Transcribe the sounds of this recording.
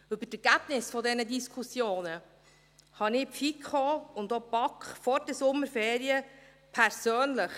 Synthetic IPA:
ʉbətɛɾɡ̥æb̥nɪsfɔdɛnədiskʰusjoːnə | hɑnɪfikχoʊndopɑkχfɔɾd̥əsʊmːəɾfɛːɾiə | pʰɛɾsøːnləχ

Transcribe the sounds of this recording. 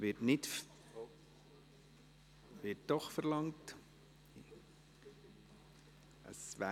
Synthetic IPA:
ʋɪtnɪt | ʋɪt̚d̥ɔχfəɾlɑŋt | ə̰sʋæ

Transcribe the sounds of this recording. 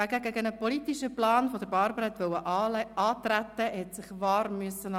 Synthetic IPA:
æɡəɡəɡənəpɔlit̪iʃəplɑːnfɔd̪əɾbɑɾbəɾɛt̪ʋœwəʔɑɑːt̪ræt̪ːəhɛt̪sɪχʋɑːɾmyəsənɑ

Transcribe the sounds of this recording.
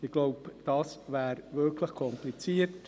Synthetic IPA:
ɪɡ̥loʊpd̥ɑsvæːɾvʏɾkʰləχkʰɔmplit͡siːərt

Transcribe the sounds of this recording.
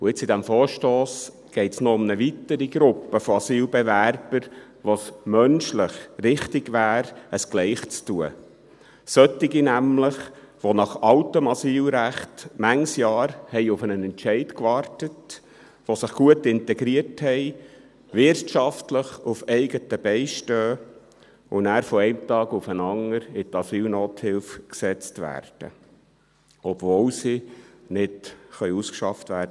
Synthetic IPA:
ʊɪt͡sidæmfɔːɾʃtoːs | ɡ̥ɛɪtsnɔʊmnəʋitəɾiɡɾʊpːəfɔɑsiːlbɛvæɾb̥əɾ | ʋosmœnʃlɪχrɪχtɪɡʋæːɾəsɡ̥lɛɪχt͡stuə̰ | sœtːɪɡinæmləχ | ʋonɑχɑʊtəmɑsiːlɾæχtmæŋsjɑːɾhɛɪʊfənənɛntʃɛɪtkʋɑːrtət | ʋosəχɡ̥uətɪntɛɡɾiərthɛɪ | ʋɪrtʃɑftləχʊfɛɪɡətəb̥ɛɪʃtøː | ʊnæːɾfɔɛɪmt̪ɑːɡʊfənɑŋəɾɪtɑsiːlnoːthɪlfksɛt͡stʋæ̰ːrd̥ə̰ | ɔb̥volsinɪdχœʏuskʃɑftvæːɾdə

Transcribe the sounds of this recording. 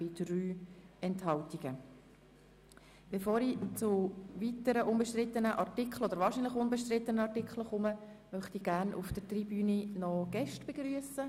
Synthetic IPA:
b̥ɪd̥ryːɛnthɑltiɡ̥ə | b̥efoːɾit͡sʊʋitəɾəʔʊmbəʃtrɪt̪ːənəʔɑrtikχl̩od̥əɾvʋɑːɾʃiːnlɪχʊnbɛʃtrɪt̪ːənəɑrtɪkχləχʊmə | mœχt̪iːɡæːnʔufd̥əɾt̪ribyːninɔɡ̥ɛʃtb̥eɡɾyəsə

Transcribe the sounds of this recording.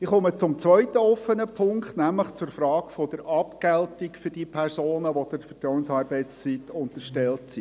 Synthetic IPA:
ɪχɔmət͡sʊmt͡sʋœʏt̪əɔfːənəpʰʊŋktnæmləχt͡sʊɾfɾɑːkfɔd̥̪əɾɑpkɛltɪkfʏd̥iːpʰɛrsoːnəʋod̥̪əfətɾɔwənsɑːɾbɛɪtst͡sitʊnt̪əɾʃtɛltsi

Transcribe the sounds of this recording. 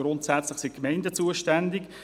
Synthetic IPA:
ɾʊntsæt͡sləχsikmɛɪndət͡suəʃtændɪk

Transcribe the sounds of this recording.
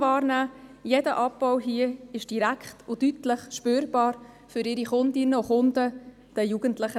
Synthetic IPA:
vɑːɾnæːjɛdəʔɑpbɔwɦiəɪʃd̥iɾækχtʊdytləχʃpøːɾb̥ɑːɾ | fʏɾɪɾiχʊnd̪inəʊχʊndə | d̥ɛjuɡ̥əntləχə

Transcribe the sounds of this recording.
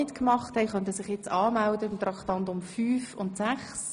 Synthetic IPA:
ɪtkmɑχthɛɪχœnt̬əsɪχjɛt͡sɑːmældət̪ɾɑkχt̪ɑntʊmfyːfʊntsæχs

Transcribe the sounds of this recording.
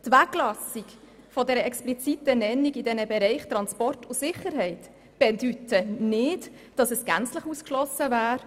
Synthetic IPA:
t̪ʋæklɑsik | fɔdɛɾəɛksplit͡sit̪ənɛnːiɡidɛnəbɛɾɛɪχt̪ɾɑnspɔrtʊsɪχəɾɦɛɪt | b̥ɛdytənɪd | d̥ɑsəsɡ̥ænt͡sləχuskʃlɔsəvæːɾ

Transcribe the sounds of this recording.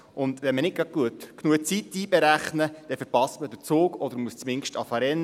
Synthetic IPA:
ʔʊnd̪ʋɛnmənɪt̚kɾɑt̚ɡ̥uətknuət͡sit̪ːiːbɛɾæχnəd̥ɛfəɾpɑstməd̪ət͡soːkɔd̪əɾmuəst͡smɪŋʃtɑfɑɾɛnː

